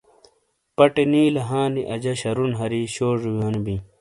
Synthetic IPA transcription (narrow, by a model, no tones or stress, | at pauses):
pɐʈeniːlɐɦãːniʔɐd͡ʑɐɕɐɾunɦɐɾiːɕoːʐujaːnbi